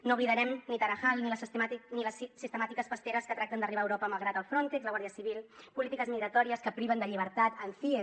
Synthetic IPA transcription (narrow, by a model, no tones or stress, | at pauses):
nouβliðəɾɛmnit̪əɾəxalˠniləsniləssːist̪əmat̪ikəsfəst̪eɾəskət̪ɾak̚t̪ənd̪əriβaːwɾɔpəməlˠɣɾat̪əlˠfɾont̪ɛkzləɣwaɾðiəsiβilˠpulit̪ikəzmiɣɾət̪ɔɾiəskəpɾiβənd̪əʎiβ̞əɾt̪at̪əɱfi